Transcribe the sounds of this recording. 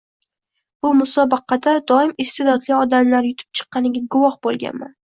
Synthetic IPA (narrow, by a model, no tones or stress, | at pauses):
b̥ʊmʊsɒbɑqʰɑd̪ad̪ɒɪmɪst̪ed̪ɒd̪liɒd̪amlaɾjʊt̪ʰɪ̥p̚t͡ʃʰɨ̥qːɑnɪɡʲaɡʊvɒhbolˠɡʲa̰nma̰n